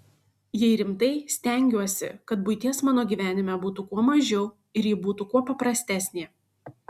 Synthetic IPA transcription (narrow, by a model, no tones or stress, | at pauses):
jɛɪɾʲɪmt̪ɐɪsʲt̪ʲæˑŋʲɡʲuɔsʲɪ̰kɐt̪bʊɪt̪ʲiɛsmɑːnoːɡʲiːʋʲæːnʲɪmʲɛbuːt̪ukuɔmɐʒʲɛʊ | ɪɾjɪbuːt̪ukuɔpɐpɾɐsʲt̪ʲæːsʲnʲeː